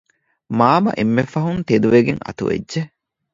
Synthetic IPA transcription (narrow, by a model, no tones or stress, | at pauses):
maːmɐ̰ʔemːefɐɦunt̪ed̪uʋeɡeŋɐ̰t̪ṵʋḛdːe